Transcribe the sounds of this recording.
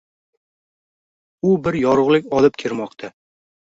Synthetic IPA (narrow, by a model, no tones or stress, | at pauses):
ʊbɪɾjɒɾʊʁlˠɪkʲɒlˠɪp̚kʲʰeɾmɒqt̪ʰa